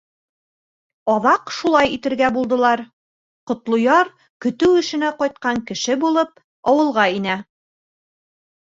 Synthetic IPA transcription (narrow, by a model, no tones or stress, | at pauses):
ɒðɑqʃulˠɑjit̪ɘ̆ɾɡæbulˠd̪ɤ̆lˠɑɾ | qŏt̪lˠŏjɑɾ | kɵ̆t̪ɘwɘ̆ʃɘ̆næqɒjt̪̚qɑŋkɘ̆ʃɘbulˠɤp | ɒwɤ̆lˠʁɑinæ